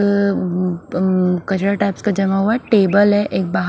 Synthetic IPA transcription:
kɐt͡ʃɽaʈaɪpskad͡ʒɐmaɦuaʈeːbəlɦɛʔeːk̚baːɦ

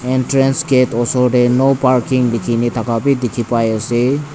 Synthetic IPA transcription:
entɾensɡetɔsodenopaɾkiŋdekʰinitʰakapidekʰipajəse

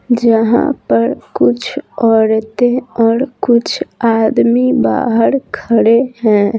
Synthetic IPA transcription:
d͡ʒəɦã̰pəɾkut͡ʃʰɔɾt̪eɔːɾkut͡ʃʰad̪miba̰ɦəɾkʰəɽeɦɛ̃

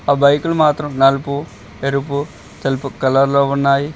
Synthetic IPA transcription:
aːbɐjkulumaːt̪ɾɐmnɐlupu | eɾupu | t̪ɐlpukɐlɐɾloːunːaːji

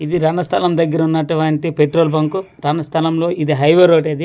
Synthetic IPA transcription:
id̪iɾɐnɐst̪ʰɐlɐmd̪ɐɡːɐɾɐunːɐʈɐʋaːɳʈipeʈɾoːlbɐŋku | ɾɐɳɐst̪ʰɐlɐmlo̞ːid̪iɦɐjʋeːɾoːʈeːd̪i

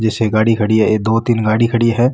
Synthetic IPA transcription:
d͡ʒɛseɡaːɽikʰɐɽiɛed̪oːt̪inɡaːɽikʰɐɽijeɦɛː

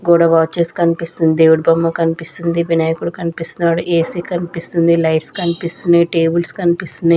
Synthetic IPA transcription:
ɡoːɽɐʋaːt͡ʃeskɐnipist̪und̪eːʋuɽbɐmːɐkɐnipist̪und̪iʋinaːjɐkuɽukɐnipist̪unːaːɽuʔeːsikɐnipist̪und̪ilɐjʈskɐnipist̪uniʈeːbulskɐnipist̪und̪i

